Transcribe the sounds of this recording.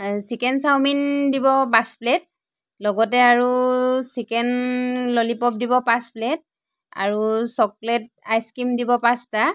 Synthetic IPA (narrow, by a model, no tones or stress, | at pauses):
sikɛnsawmindibɔpasplɛt̚ | lɔɡɔtɛaɹusikɛnlolipɔp̚dibɔpasplɛt̚ | a̰ɹusɔklɛtajskimdibɔpasta